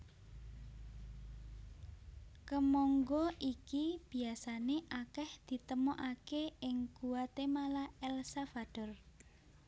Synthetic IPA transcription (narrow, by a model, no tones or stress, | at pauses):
kəmɔŋɡɔʔikib̥i̤asaneʔakɛhd̪̥i̤t̪əmɔʔakeɪŋkuwat̪emalaɛlsafaɖ̥ɔ̤r